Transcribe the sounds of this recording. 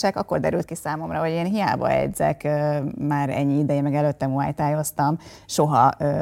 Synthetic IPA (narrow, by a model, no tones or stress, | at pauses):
aːkɒkːo̞rd̪ɛɾylt̪̚kisaːmo̞mrɒɦo̞ɟeːnɦija̰ːbɒ̰ɛ̰d̪zɛ̰kømaːɾɛ̰ɲːiid̪ɛjɛmɛɡɛløt̪ːɛmua̰ːjt̪aːjo̞st̪ɒm | ʃo̞ɦɒø